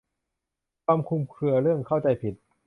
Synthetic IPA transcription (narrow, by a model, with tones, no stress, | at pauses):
kʰaː˧mkʰu˧mkʰɯ˧ɐɾɯ˥˩əŋkʰa˥˩wt͡ɕa˧jpʰi˨˩t̪̚